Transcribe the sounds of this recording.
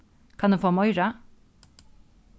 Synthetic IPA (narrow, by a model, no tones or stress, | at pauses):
kʰɑneːfoːmɔʏɹɑ